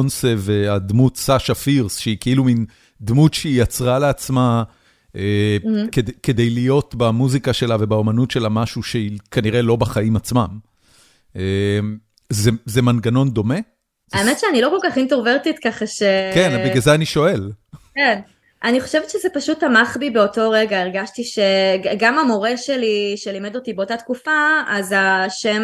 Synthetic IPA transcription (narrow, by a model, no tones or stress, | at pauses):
onsevead̪mut̪saʃafiʁsʃeikeilumin | d̪mutʃeijat͡sʁaleat͡sma | ekedke̞d̪e̞jlijo̞t̪bamuzikaʃe̞lave̞bao̞manutʃe̞lamaʃuʃeikaniʁe̞lo̞baχaimat͡smam | em | zezemanɡano̞nd̪o̞me̞ | aemetʃeanilo̞ko̞lkaχintoʁveʁtit̪kaχaʃekenabiɡazeaniʃo̞e̞lken | ʔaniχoʃevetʃezepaʃutamaχbibeo̞to̞ʁeɡaeʁɡaʃtiʃe̞ɡamamo̞ʁe̞ʃeliʃelimedo̞tibeo̞tatkufaazaʃem